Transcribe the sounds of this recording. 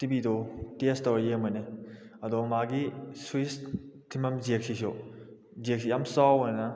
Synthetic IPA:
tibidɔtestawjemaneɐdomaɡiswistʰimɐmzek̚sisio | zek̚sijamsawana

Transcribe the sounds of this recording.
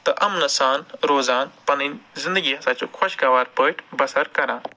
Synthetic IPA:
t̪ɐʔɐmnɐsaːnɾoːzaːnpɐninzɪnd̪əɡiɐsaːt͡ʃukʰwɐʃkaːʋaːɾpəːʈʰbɐsɐɾkɐɾãː

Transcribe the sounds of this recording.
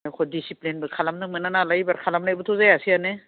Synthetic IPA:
kʰɔdisiplinbɯkʰalamnɯmananalaibaɾkʰalamnajbutʰɔzajasianɛ

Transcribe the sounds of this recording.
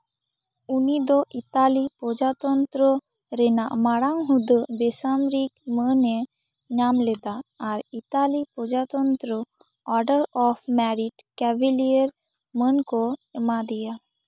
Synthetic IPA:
unid̪ɔʔit̪alipɔd͡ʒat̪ɔnt̪ɾə | ɾɛnaʔmaɽaŋɦud̪əbɛsamɾikmənɛ | ɲamlɛd̪aːɾit̪alipɔd͡ʒat̪ɔnt̪ɾə | ɔɾɖəɾɔpʰmɛɾiʈkɛbiliəɾ | mənkɔɛmad̪ɛja

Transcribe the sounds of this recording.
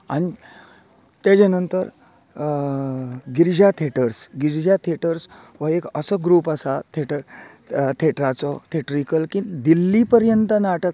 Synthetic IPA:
añi | t̪ed͡ʑenənt̪əɾ | ɡiɾd͡ʑjat̪ʰeʈəɾsɡiɾd͡ʑat̪ʰeʈəɾs | ʋəekəsəɡɾuːpəsat̪ʰeʈə | t̪ʰeʈɾat͡sɔt̪ʰeʈɾikəlkĩd̪ilːipəɾjənt̪ənaʈək̚

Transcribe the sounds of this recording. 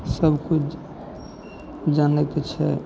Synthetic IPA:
səbʱkut͡ʃʰ | d͡ʒanɛk̪et͡ʃʰɛ̰

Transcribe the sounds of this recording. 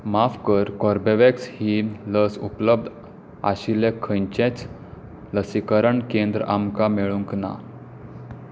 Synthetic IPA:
mafkəɾkɔɾbeʋekshiːləsupləb̚d̪ | a̰ɕilekʰəɲt͡ɕɛ̃t͡s | ləsikəɾəɳkend̪ɾʔamkameɭuŋkna̰

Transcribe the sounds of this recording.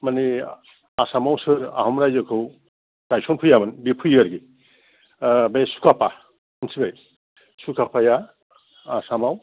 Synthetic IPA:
mani | asamawsɯɾa̰ɦɔmɾajzɯkʰɯw | tajsɔnpʰujamɯnbipʰujɯɾɡi | besu̥kʰapa | ɯnsʰibaj | sukʰapʰajaː | samaw

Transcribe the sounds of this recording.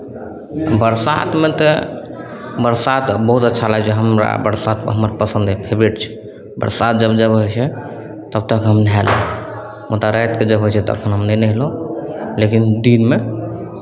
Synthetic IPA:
bəɾsa̰t̪met̪ɔ | bəɾsat̪bəɦut̪ətːʃʰalat͡ʃɛɦəmɾa̰bəɾsat̪ɦəməɾapəsə̃nd̪ɛpʰebɾeʈt͡ʃʰɛ̥ | bə̰ɾsat̪̚d͡ʒəbd͡ʒəbɦojt͡ʃʰɛ | t̪əb̚t̪əkɦəmnɛɦalo | mot̪aɾət̪̚ked͡ʒəbɦot͡ʃʰɛt̪ɔə̰kʰənɦəmnenəɦlõlekind̪inme

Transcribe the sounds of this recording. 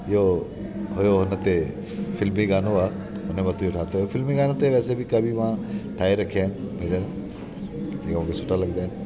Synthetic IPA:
ɪɦo | ɦʊjoɦʊnə̆t̪e | fɪlmiɡaːnoaː | ɦʊnemɐt̪ʰuoʈʰaːt̪oofɪlmiɡaːnot̪eʋɛːsebʱɪkɐbʱimãʈʰaːiɾɐkʰiaːɦɪnɪ̆b̃ʱd̪aːn | d͡ʑẽkmũkʰesʊʈalɐɡd̪aːɪnɪ̆

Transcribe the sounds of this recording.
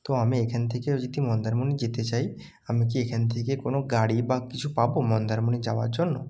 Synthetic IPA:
t̪oamẽekʰənt̪ʰeked͡ʒid̪imɔ̃nd̪əɾmunid͡ʒit̪et͡ʃai | amẽk̬iekʰənt̪ʰekekonoɡaɽibakit͡ʃʰupabomɔnd̪əɾmunid͡ʒaʋa̰d͡ʒɔnːɔ

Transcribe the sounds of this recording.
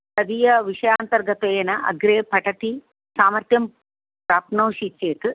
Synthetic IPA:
sɐd̪ijɐʋiʂɐjaːnt̪ɐɾɡɐt̪ejnɐʔɐ̰ɡɾeːpɐʈɐt̪i | saːmɐɾt̪jɐm | pɾaːpnoːʃit͡ʃeːt̪ɨ

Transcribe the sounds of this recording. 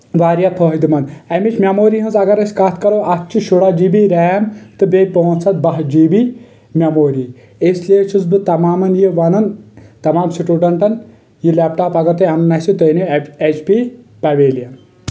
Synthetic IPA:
ʋaːɾjapʰoɦd̪imɐnɐmit͡ʃʰmʲemoːɾiɦɨnzɐɡɐɾɐsʲkɐt̪ʰkɐɾoːʔɐkt͡ʃʰiʃuɽaːd͡ʒiːbiɾɛːmt̪ɨbʲepoːnt͡sʰɐt̪̚bɐɦd͡ʒiːbiː | mʲɐmoːɾiː | esliet͡ʃʰunzbɨt̪ɐmaːmɐnjiʋɐnɐnt̪ɐmaːmsiʈuːɖɐɳʈɐn | jilaːpʈaːpɐɡɐɾt̪ɐɐnɐnɐsit̪ojneet͡ʃʰpi | pɐʋeːlijɐn

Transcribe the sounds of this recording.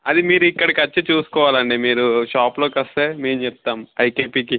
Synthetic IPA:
ɐd̪imiːɾuikːɐɽɐkɐt͡ʃːit͡ʃuːsu̥kɔːʋaːlɐɳɖimiːɾuʃaːplo̞ːkɐst̪eːmeːmt͡ʃɛp̚t̪aːmɐjkeːpiːki

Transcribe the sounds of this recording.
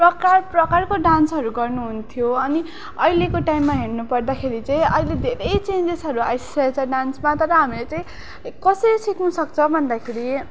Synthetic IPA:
prʌkarprʌkarkoɖansɦʌɾuɡʌrnuɦunt̪ʰijoʌni | ʌjlekoʈajmːaɦeɽnupʌrd̪akʰeɾit͡saĩʌjled̪ʱeɾʌjt͡send͡zesɦʌɾuajssat͡sʰʌɖansmat̪ʌɾʌɦamilet͡saĩ | kʌsʌɾisiknusʌkt͡sʰʌbʱʌnd̪akʰeɾi

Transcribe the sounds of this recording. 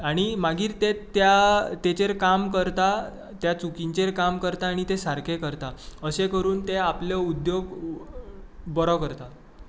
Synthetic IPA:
aɽ̃imaɡiːɾt̪et̪jat̪et͡ɕeɾkamkəɾt̪a | t̪jat͡sukiɲt͡ɕeɾkamkəɾt̪aːɽ̃it̪esaɾkʰekəɾt̪aəsekəɾuːnt̪eapljəud̪joɡ | bɔɾɔkəɾt̪a

